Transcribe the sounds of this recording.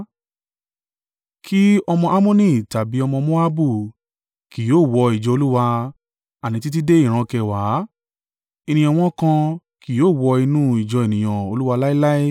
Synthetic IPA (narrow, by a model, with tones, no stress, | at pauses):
kʰi˦ɔ˧mɔ̃˧ʔa˦mõ˦nĩ˦˨ta˨bi˨˦ɔ˧mɔ̃˧mo˦a˦bu˦˨ | ki˨joː˦˨wɔ˧i˨d͡ʒɔ˧o˧lu˦wa˧ | a˨nĩ˧t̬i˦t̬i˦de˦i˦˨ɾ̃ã˧kɛ˧˨wa˨˦ | i˧nĩ˧ɔ̃˧w̃ɔ̃˦kã˧ | ki˨joː˦˨wɔ˧i˧nũ˦i˨d͡ʒɔ˧e˨nĩ˨j̃ã˨o˧lu˦wa˧la˦i˦la˦i˦